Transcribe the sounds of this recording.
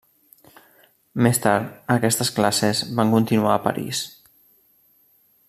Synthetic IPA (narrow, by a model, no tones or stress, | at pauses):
mest̪aɾt̪əkɛst̪əsklasezβaŋkunt̪inuaːpə̰ɾḭs